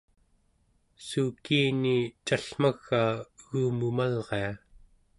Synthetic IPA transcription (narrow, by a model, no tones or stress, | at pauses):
sukiːnit͡ʃaɬm̥aɣːaːɣuːmumalʁea